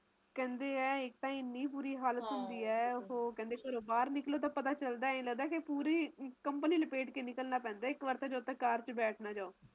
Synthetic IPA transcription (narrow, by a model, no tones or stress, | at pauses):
kɛ̃ːnd̪eːɛːɪk̚t̪ãːɪnːiːp̬uːɾiːɦaːlət̪ɦʊ̃nd̪iːɛːʊɦoːkɛ̃ːnd̪eːkəɾoːbaːɾnɪkloːt̪̬ãːpət̪aːt͡ʃəld̪aːĩləɡd̪aːkepuːɾiːkəmpniːləpeːʈkeːnɪkəlnaːpɛ̃ːnd̪aːɪkʋəɾt̪ãd͡ʒaot̪ãːkaːɾt͡ʃbɛːʈʰnaːd͡ʒaːoː